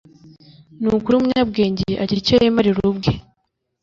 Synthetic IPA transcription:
nukuɾiumuɲab̚ɡe̞ːɲɟeʔaciɾicejemaɾiɾubɡe

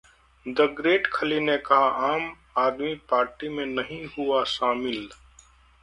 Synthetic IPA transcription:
d̪ɐɡɾeːʈkʰəlinekaɦaʔaːm | aːd̪mipaːɾʈimẽnɐɦĩɦuaʃaːmɪl

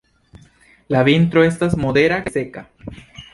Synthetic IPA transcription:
laβint̪ɾoest̪asmoðeɾakeseka

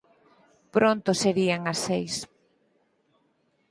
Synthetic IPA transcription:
pɾont̪ʊseɾiaŋɐsːejs

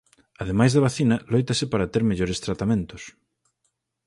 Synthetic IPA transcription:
ɐðemajzðɐβ̞aθinɐlojt̪ɐsɪpaɾat̪eɾmeʎoɾest̪ɾat̪amẽnt̪ʊs

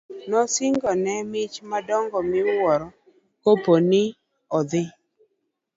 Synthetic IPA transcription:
nɔsɪŋɡɔnɛmɪt͡ʃmadɔŋɡɔmɪwɔɾɔ | koponɪ | ɔd̪ɪ

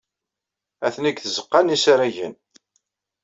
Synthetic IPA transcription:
æθniɡθəzəqːanisaɾæʝən

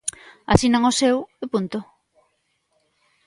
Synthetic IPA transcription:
a̰sinaŋosewepunt̪o

